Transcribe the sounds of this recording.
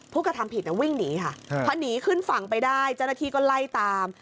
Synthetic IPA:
pʰuː˥˩kɾa˧t̪ʰa˧mpʰi˨˩t̪̚niː˥˩wi˥˩ŋniː˨˦kʰa˥˩pʰɔ˦˥niː˨˦kʰɯ˥˩nfa˨˩ŋpa˧jdaː˥˩jt͡ɕa˥˩wnaː˥t̪ʰiː˥˩kɔː˥˩la˥˩jt̪aː˧m

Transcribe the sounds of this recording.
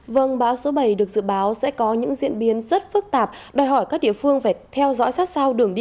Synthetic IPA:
və˧˩ŋɓaː˨˦wso˨˦ɓə˧˩jɗɨ˨˩ək̚zɨ̰˧˨ɓaː˨˦wsɛ̰˧˥kɔ˨˦ɲɨ̰˧˥ŋzḭ˧˨ənɓi˨˦ənzə˦˥t̚fɨ˦˥k̚t̪aː˨˩p̚ɗɔː˨˩jɦɔ˧˩jkaː˦˥k̚ɗḭ˧əfɨ˧əŋfaː˧˩t̪ʰɛ˧wzɔ̰˧˥jsaː˦˥t̚sa˧wɗɨ˨˩əŋɗi˧

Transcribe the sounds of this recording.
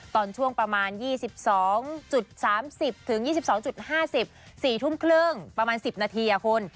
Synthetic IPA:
t̪ɔː˧nt͡ɕʰu˥˩əŋpɾa˧maː˧njiː˥˩si˨˩p̚sɔː˩˦ŋt͡ɕu˨˩t̪̚saː˩˦msi˨˩p̚t̪ʰɯ˩˦ŋjiː˥˩si˨˩p̚sɔː˩˦ŋt͡ɕu˨˩t̪̚haː˥˩si˨˩p̚siː˨˩t̪ʰu˥˩mkʰlɯ˥˩ŋpɾa˧maː˧nsi˨˩p̚naː˧t̪ʰiː˧ʔa˨˩kʰo˧n

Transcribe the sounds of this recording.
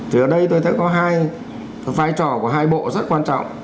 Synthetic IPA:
t̪ʰi˨˩ʔəː˨˩ɗə˧jt̪o˧jt̪ʰə˨˦˥kɔ˨˦ɦaː˧j | vaː˧jt͡ɕɔ˧˩ku˧˩əɦaː˧jɓo̰˧˨zə˦˥t̚kwaː˧nt͡ɕɔ̰˧˨wŋ͡m

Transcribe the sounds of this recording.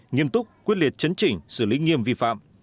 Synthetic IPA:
ŋi˧əmt̪ʊ˦˥k͡p̚kwi˦˥ət̚li˨˩ət̚t͡ɕə˨˦nt͡ɕï˧˩ŋ̟sɨ˧˩lḭ˨˦ŋi˧əmvi˧fa̰ː˧˨m

